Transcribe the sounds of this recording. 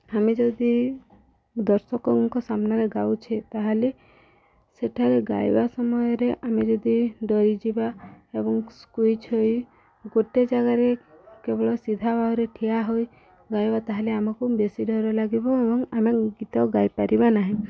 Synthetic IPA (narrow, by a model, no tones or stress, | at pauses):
amed͡ʒɔd̪i | d̪ɔɾsɔkɔŋkɔsamnaɾeɡawt͡ʃʰet̪aɦale | seʈʰaɾeɡa̰jbasɔmɔjɔɾeʔamed͡ʒɔd̪iɖɔɾid͡ʒibaebɔŋskujt͡ʃʰoj | ɡoʈed͡ʒaɡaɾekebɔɭɔsid̪ʱabʱaɦɔɾeʈʰijaɦoj | ɡajbat̪aɦaleamakubesiɖɔɾɔlaɡibɔebɔŋameɡit̪aɡajpaɾibanaɦĩ